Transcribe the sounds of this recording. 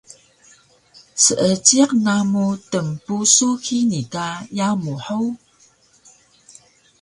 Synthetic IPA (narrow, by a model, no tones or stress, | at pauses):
səʔət͡ɕiqnamutəmpusukʰinitajamuħow